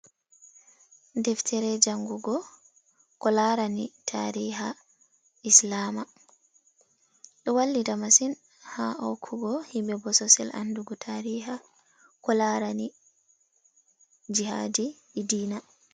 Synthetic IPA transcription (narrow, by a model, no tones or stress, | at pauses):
ndɛftʰɛɾɛd͡ʒaŋɡuɡɔ | kɔlaɾanitʰaɾiːɦa | ʔislaːma | ɗɔwalːidamasin | haʔɔ̰kʰuɡɔhimbɛbɔsɔsɛ̰lʔa̰nduɡɔtʰaɾiːɦa | kɔlaɾani | d͡ʒiha̰ːdiː | diːna